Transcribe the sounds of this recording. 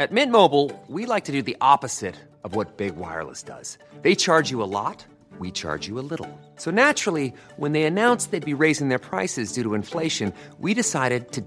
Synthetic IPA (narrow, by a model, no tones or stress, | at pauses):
ɨt̚mɪ̃t̚moʊbl̩ˠwilaɪk̚tʰɨdɨðiʔɑpɨz̥ɪɾ | ʌvwʌt̚b̥ɪɡwa̰ɪə̰˞lˠə̰sd̥ʌ̰z̥ | ðeɪt͡ʃʰɑɹd͡ʒɨəlɔ̰t̚ | wit͡ʃʰɑ̰ɹd͡ʒɨəlɪɾl̩ˠ | soʊnæt͡ʃɹl̩ˠiwə̃nðeɪɨnãʊ̃nsðeɪd̚biɹeɪzɪ̃ŋðə˞pʰɹ̥aɪsɨzdʉɾəɨ̃ɱfleɪʃɨ̃n | wiɾɨsaɪɾɨd̚tʰɨ